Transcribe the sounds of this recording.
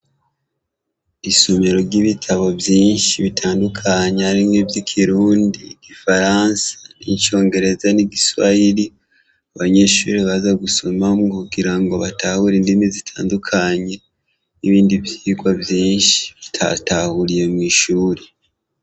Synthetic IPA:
isomeɾo̞ɾɟiβitʰaβo̞bjiːnʃiβitʰaːndukʰaɲeaɾimɡebjikʰiɾuːndiɡ̥ifaɾansḁniɲt͡ʃo̞ːŋɡe̞ɾe̞zaniɡiswa̰jiɾi | aβaɲe̞ʃṵːɾiβazaɡuso̞mamŋokuɡiɾaŋɡo̞βatahuɾiːndimizitʰaːndukʰaɲe̞ | niβiːndiβjiːɡwavjiːnʃi̥βitʰatahuɾije̞mŋiːʃuːɾe

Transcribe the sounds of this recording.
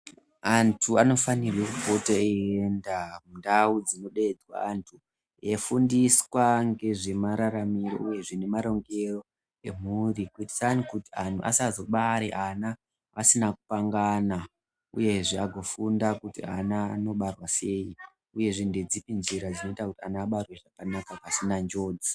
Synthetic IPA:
antʰuano̞fanirwekupotaeendamundaud͡zino̞ɗed͡zwa̰antʰu | jefundiswaŋɡe̞ʐe̞maɾaɾamiɾo̞̰ʔuje̞ʐinemaɾo̞ŋɡe̞ro̞ | e̞m̤urikuiti̥sanikutian̤ʰuʔa̰sazo̞ɓaɾeʔana | asinaku̥paŋɡana | ṵje̞ʐiaɡʱo̞fundakutḭanaːno̞ɓarwase̞i | uje̞ʐinded͡zipind͡ʒiɾad͡zino̞itakutianaːɓarweʐakanakakasinand͡ʒo̞ːd͡zi

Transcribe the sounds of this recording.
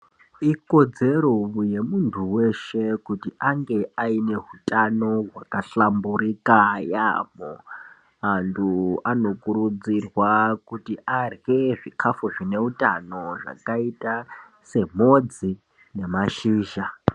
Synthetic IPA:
iko̞d͡ze̞ɾoje̞muntʰuwe̞ʃe̞kutiʔaŋɡe̞aine̞ɦutʼano̞ɦwakaɬambuɾikaja̰mo̰ | antʰuano̞kuɾud͡zirwakutiʔarɣe̞ʐikʰafoʐine̞utʼano̞ʐa̰kaita | se̞mo̞d͡zi | ne̞maʃiːʒa

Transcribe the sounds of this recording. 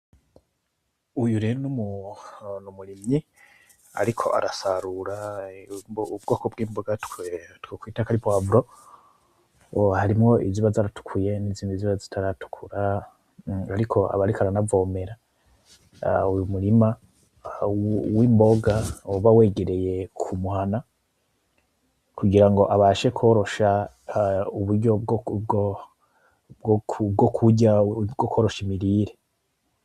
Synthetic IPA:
ujuɾenumu | numuɾimi | a̰ɾikʰo̞̰ʔa̰ɾasaɾuɾa | ubɡo̞ːkobɡiːmboɡatketwokwiːtakaɾipoavuɾo | haɾimŋo̞iziβazaɾatu̥kʰuje̞niziːniziβazitʰaɾatu̥kʰuɾa | aɾikʰo̞a̰βaɾikaɾanavo̞ːme̞ɾa | ujumuɾima | wiːmbo̞ɡaβawe̞ɡe̞ɾe̞je̞kʰumuhana | kuɡiɾaŋɡo̞ʔaβaʃe̞kʰo̞ːɾo̞ʃa | uβuɾɟoɡɡ | ɡb̚ɡokʰuɟaɡoko̞ːɾo̞ʃimiɾiɾe

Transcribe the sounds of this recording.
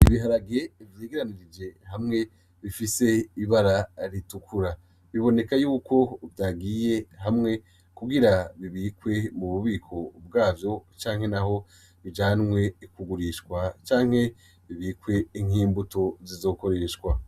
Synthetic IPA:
iβiɦaɾaɡe̞vjeːɡiɾaniɾid͡ʒe̞hamŋe̞ | βifise̞iβaɾaɾitukuɾa | βiβo̞ne̞kajuːko̞βtaɡiːje̞hamŋe̞ | kuɡiɾaβiβiːkwe̞muβuβiːkʰo̞bɡaːvjo̞t͡ʃaːŋhe̞naho̞ | βid͡ʒanmwe̞ikuɡuɾiʃwat͡ʃaːŋ̥he̞ | βiβiːkwe̞iŋ̥iːmbuto̞zizo̞ːko̞ɾeʃɡwa

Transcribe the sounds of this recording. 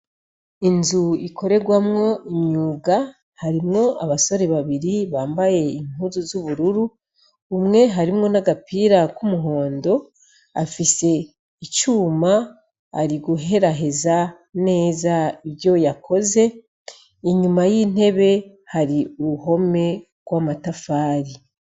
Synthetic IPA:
inzuikʰo̞ɾe̞ɡwamŋo̞iɲuːɡa | haɾimŋo̞aβaso̞ɾe̞βaβiɾiβaːmbaje̞iŋ̥uzuzuβuɾuɾuː | mŋe̞ɦaɾimŋo̞naɡapiːɾakumuɦo̞ːndo̞ | a̰fise̞ | it͡ʃuːma̰ː | ɾiɡuɦe̞ɾaɦe̞za | ne̞ːzaiβjo̞jakʰo̞ze̞ | iɲumajin̥he̞βe̞ | haɾiuɾuɦo̞me̞ | ɡ̥wamatafaːɾi

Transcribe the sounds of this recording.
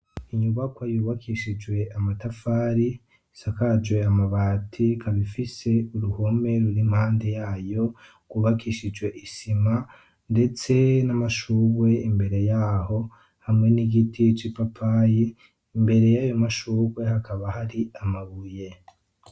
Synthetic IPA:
iɲuβakwajuːβakʰiʃid͡ʒwe̞amatafaːɾi | sakad͡ʒwe̞amaβaːtʰikʰaβifise̞uɾuho̞me̞ɾuɾim̥haːnde̞jaːjo̞ | ɡ̥uβakiʃid͡ʒwe̞ʔisima | nde̞t͡se̞namaʃuβwe̞imbe̞ɾe̞jaːho̞ | hamŋe̞niɡitʰit͡ʃipapʰajiː | mbe̞ɾe̞jajomaʃuːβwe̞hakʰaβahaɾiamaβuje̞

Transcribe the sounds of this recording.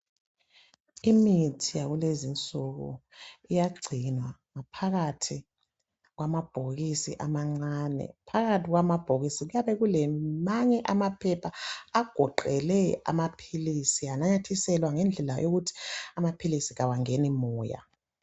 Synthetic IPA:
imitʰijaɣulezint͡sʼuɣṵijaɡ͡ǀʱinwaŋapʰaɣatʰi | ɣwamab̥ʱoɣisḭʔamaŋ͡ǀaːnɛ̰pʰaɣatʰiɣwamab̥ʱoɣisiɣujaβɛɣulemimaɲɛʔamapʰɛpʰaːɡ̥ʱɔǃɛlɛa̰mapʰilisianajatʰisɛlwaŋɛnd͡ɮʱɛla̰joɣutʰi̥amapʰilisiɣawaŋenimɔːja̰

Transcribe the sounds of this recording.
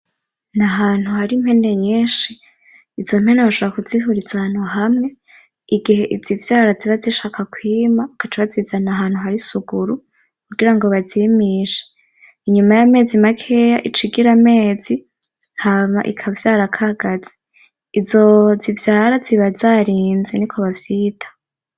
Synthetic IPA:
naɦaːn̥huhaɾimhe̞nde̞ɲeːʃiː | zo̞m̥he̞naβaʃoβoɾakuziɦuɾizaanoɦamŋe̞ | iɡiɦe̞ʔizivjaːɾaziβaziʃaːkakwiːmaakat͡ʃaβazizanaɦaːn̥huɦaɾisuɡuɾu | kuɡiɾaŋɡoβaziːmiːʃe̥ | iɲumajame̞ːzimakʰe̞jaʔit͡ʃiɡiɾame̞ːzi | haβa̰ʔḭkʰavjaːɾakʰaɡ̥az̥i̥ | izozivjaːɾaziβazaːɾiːnzenikʰo̞βavjiːtʰḁ

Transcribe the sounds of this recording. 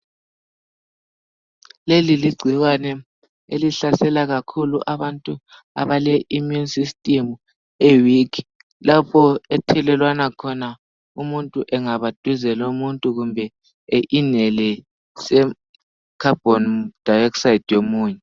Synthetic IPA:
leliliɡ͡ǀʱiwanɛ | eliɬasɛlaɣakʰulṵʔaβantʼu | a̰βalɛʔimjunsistʼimu | ewikʰ | lapʰɔɛtʰɛlɛlwanakʰɔna | umuntʼuʔɛŋaβad̥ʱwizɛlomuntʼuɣumbʱɛ | eʔinɛlɛ | sɛ | kʰab̥ʱɔnd̥ʱajɛksajid̥ʱjomuːɲɛ

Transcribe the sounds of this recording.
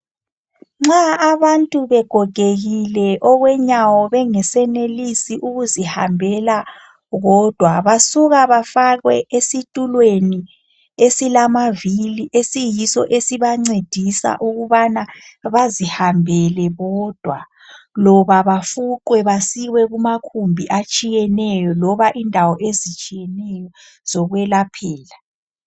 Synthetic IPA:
ŋ͡ǁaːβantʼuβɛɡ̥ʱɔɡ̥ʱeɣilɛʔɔɣwɛɲawɔβɛŋɛsɛnelisiʔuɣuzihambʱɛla | ɣɔd̥ʱwaβasuɣaβafaɣwɛʔesitʼulweni | esilamaviliʔesijisɔ̰ʔesiβaŋ͡ǀed̥ʱisa̰ʔuɣuβanaβazihambʱɛlɛɣɔd̥ʱwa | lɔβaβafuǃwɛβasiwɛɣumakʰumbʱiʔat͡ʃʼijɛnɛjɔlɔβaʔindʱawɔʔezit͡ʃʼijɛnɛjɔ | z̥ɔɣwɛlapʰɛːla

